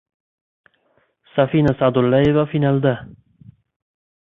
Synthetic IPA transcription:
safiːnasaʕd̪alːavafinald̪a

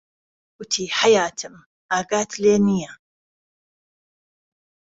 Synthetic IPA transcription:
ɡ̥ʊt̪ʰiːħajaːt̪ʰɨm | ʔaːɡaːt̪ʰleːnija

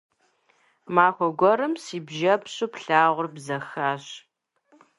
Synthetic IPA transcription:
maːxʷɔɡʷɔɾɨmsiːbʒɐpɕʼupɬaːʁʷʊrbzɐxaːɕ

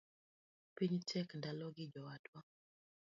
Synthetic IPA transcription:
piɲtʰɛkndalɔɡɪd͡ʒɔwatwa

